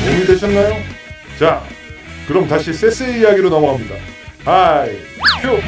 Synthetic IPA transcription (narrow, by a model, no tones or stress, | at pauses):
emik͈eɕʰʌnːajo | t͡ɕa | kɯɾʌmtaɕʰis͈ʰe̞s͈eijaɡiɾonamaɦamɲida̰aj | kʰo